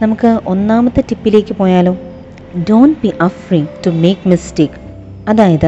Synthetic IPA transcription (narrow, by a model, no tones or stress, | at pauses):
nɐmukɨonːaːmɐt̪ːɐʈipːile̞ːkipoːjaːloː | doːnʈ̚biːʔɐfɾiʈumeːkmisʈeːk | ɐd̪aːjɐd̪ɐ